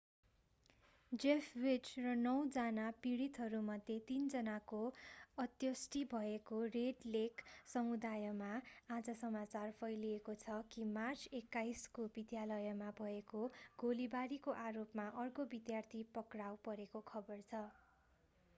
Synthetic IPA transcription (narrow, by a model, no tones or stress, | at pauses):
d͡zepʰwid͡zrʌnʌwd͡zanapiɽit̪ɦʌɾumʌd̪ʱjet̪ind͡zʌnakoʌt̪jʌsʈibʱʌekoreɖleksʌmud̪ajʌmaad͡zʌsʌmat͡sarpʰʌjliekot͡sʰʌkimart͡sekːajskobid̪jalʌjʌmabʱʌekoɡolibaɾikoʔaɾopmaʔʌrkobid̪jart̪ʰipʌkrawpʌɾekokʰʌbʌrt͡sʰʌ